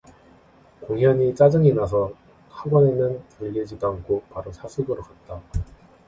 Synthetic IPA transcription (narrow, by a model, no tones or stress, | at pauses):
koŋɦjʌɲit͡ɕ͈ad͡ʑɯŋinas̬ʰʌ | kʰaɡwʌnenjʌntuʎːed͡ʑidoaŋkʰopaɾosʰasʰuɡɯɾokat̚t͈a